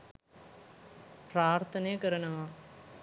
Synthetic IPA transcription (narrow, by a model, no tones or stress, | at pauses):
praːrt̪ʰɐnejkɐɾɐɳɐʋaː